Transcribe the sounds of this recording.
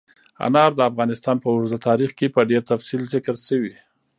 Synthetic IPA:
a̰nɑɾd̪əafɣɑnɪst̪ɑnpəʊɾzat̪ʰɑɾixkepəɖeɾt̪afsilzɪkəɾsəwi

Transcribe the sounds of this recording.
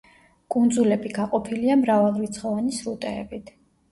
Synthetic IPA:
kʼund̪zulɛbiɡaqʼɔpʰiliamɾavalˠɾit̪sʰχɔvanisɾut̪ʼɛːbit̪ʰ

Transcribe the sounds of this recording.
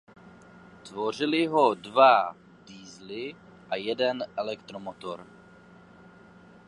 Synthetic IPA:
t̪vo̞r̝ɪlɪɦo̞dva | d̥iːzlɪ | ʔajɛdɛnʔɛlɛkt̪ɾomot̪oɾ

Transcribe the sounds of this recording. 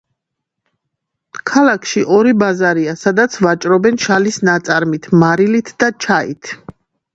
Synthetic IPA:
kʰalˠakʰʃiʔɔɾibazaɾiasad̪at̪sʰvat͡ʃʼɾɔbɛnʃalisnat̪sʼaɾmit̪ʰmaɾilit̪ʰd̪̥at͡ʃʰaḭt̪ʰ

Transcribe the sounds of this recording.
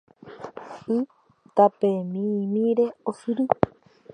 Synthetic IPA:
ɨ | t̪apemĩmĩɾe̞osɨɾɨ

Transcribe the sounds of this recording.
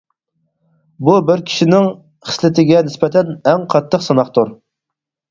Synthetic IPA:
bubɪɾkʲʰi̥ʃinɪŋ | χə̥slɪt̪ʰɪɡʲɛnɪspɛt̪ʰɛnɛŋqʰɑt̪ʰːəqsɑnɑχt̪uɾ

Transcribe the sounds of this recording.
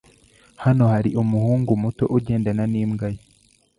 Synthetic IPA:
hano̞haɾiʔumuhuːŋɡumuto̞̰ʔuɟe̞ːndananiːmɡaja

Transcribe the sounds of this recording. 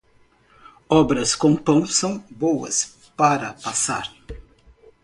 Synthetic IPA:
ɔbɾɐskõpõw̃sɐ̃w̃bowɐ̰s | paɾɐpasa̰ɾ

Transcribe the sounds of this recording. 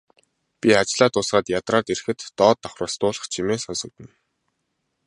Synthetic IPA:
pʲiat͡ɕɮaːt̪ʊsɢaːt̪jat̪raːt̪erxɘ̆t̪ːɔːt̪ːɔχrə̆ːst̪ʊːɮə̆χt͡ɕʰimeːsɔnsɞ̆k̚t̪ɘ̆n

